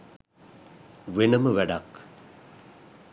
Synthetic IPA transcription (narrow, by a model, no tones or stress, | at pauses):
ʋenəməʋæɖak